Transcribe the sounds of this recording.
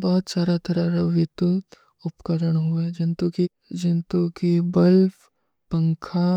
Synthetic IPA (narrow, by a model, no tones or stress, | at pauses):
bɔɦʊt̪saːɾat̪ʰɐɾaɾaʋɪt̪ut̪ | ʊpkəɾəɽ̃ɦʊed͡ʒɪnt̪uki | d͡ʒɪnt̪ukibɐlf | pə̃ŋkʰa